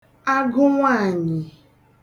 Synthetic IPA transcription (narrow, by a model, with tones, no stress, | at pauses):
a˦ɡʊ˦ŋʷaː˦˨ɲɪ˨